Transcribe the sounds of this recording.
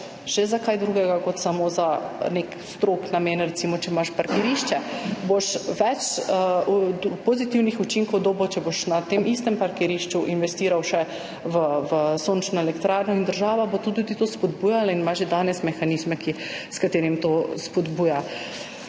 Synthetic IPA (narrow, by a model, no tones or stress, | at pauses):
ʒ̥ɛzakajd̪ɾuːɡɛɡakɔt̪samozanek | st̪ɾoknameːnɾɛt̪simɔt͡ʃɛmaʃpaɾkɛɾiʃt͡ʃɛboʃʋɛt͡ʃ | pozit̪iwnixut͡ʃiŋkɔwd̪oːbɔt͡ʃɛboʃnat̪emʔist̪ɛmpaɾkɛɾiʃt͡ʃuʔinʋɛst̪iːɾawʃɛ | ʋəʋəsoːnt͡ʃnɔɛlɛkt̪ɾaːɾnɔind̪əɾʒaːʋabot̪ud̪ud̪it̪ospɔd̪bujalainmaʒʒɛd̪anɛsmɛxanizmɛki | skat̪eːɾimt̪ospɔd̪buːja